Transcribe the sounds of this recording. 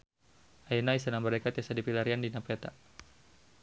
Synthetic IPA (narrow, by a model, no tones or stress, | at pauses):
ainaisanaməɾekat̪iasadipilaɾiandinapɛt̪a̰